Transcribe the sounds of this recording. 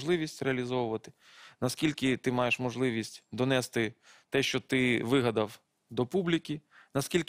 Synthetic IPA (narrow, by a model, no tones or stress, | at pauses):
ʒlˠɪʋʲisʲtʲreɐlʲizɔʋʊʋɐt̪ɪ̥ | nɐskʲilʲkɪt̪ɪmɑjeʃmɔʒlˠɪʋʲisʲtʲd̪ɔnɛst̪ɪt̪ɛʃt͡ʃɔt̪ɪʋɪɦɐd̪ɐw | d̪ɔpublʲikʲinɐskʲilʲk